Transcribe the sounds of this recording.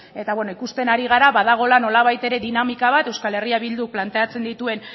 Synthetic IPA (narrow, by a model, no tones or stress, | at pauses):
e̞t̪aβwe̞no̞ikust̪e̞naɾiɣ̞aɾaβað̞aɣ̞o̞lano̞laβ̞ajt̪e̞ɾe̞ðinamikaβ̞at̪e̞wskale̞riaβild̪uplant̪e̞at͡se̞nd̪it̪ue̞n